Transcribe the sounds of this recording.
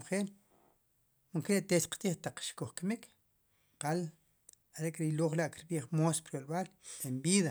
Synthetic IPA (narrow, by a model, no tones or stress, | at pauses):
χeːl | muŋkeɾet̪etqt̪iːχt̪aq͡χʃkoχkamikʰ | qal | aɾeʔkɾiloːχlaʔkiɾɓiːχmospɾjolɓaːlembiːða